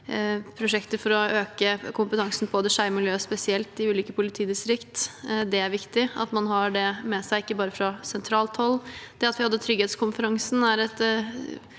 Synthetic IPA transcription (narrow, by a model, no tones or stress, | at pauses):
pʰɾʊʂɛkt̪əɾfɔɾɔøːkəkʰʊmpət̪ʰɑŋsn̩boːd̪əʂæɪmɪljøːspɛsɪɛlt̪ɪʉːliːkəpʰʊlɪt̪ʰiːd̪ɪst̪ɾɪkt̪d̪ɛæɾʋɪkt̪ɪɑ̰t̪mɑnɦɑɖɛmɛsæɪɪkːəbɑːɾəfɾɑsɛnt̪ʰɾɑːlt̪ʰhɔlːd̪̥ɛɑt̪ʋɪhɑd̪ːət̪ʰɾʏɡheːt̪skʰʊnfəɾɑŋsn̩æɾɛt̪